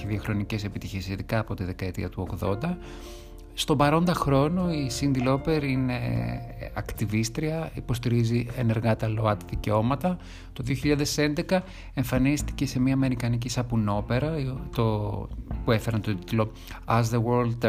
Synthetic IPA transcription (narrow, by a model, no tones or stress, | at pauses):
iðiɐxɾo̞nice̞se̞pit̪içesiðikɐːpo̞t̪iðe̞kɐe̞t̪ḭɐt̪uo̞ɣðo̞nd̪ɐ | st̪o̞bɐɾo̞nd̪ɐxɾo̞noisind̪ilo̞pe̞ɾinḛ | ɐkt̪ivist̪ɾiɐipo̞st̪iɾiziene̞ɾɣɐt̪ɐlo̞ɐt̪ɐðice̞o̞mɐt̪ɐ | t̪o̞ðioçiʎɐaðe̞se̞nd̪ekɐ | e̞ɱfɐnist̪i̥ce̞se̞miɐːme̞ɾikɐnic̬isɐpuno̞pe̞ɾɐt̪opue̞fe̞ɾɐnt̪o̞t̪i̥t̪lo̞ | ɐzðewoɾld̪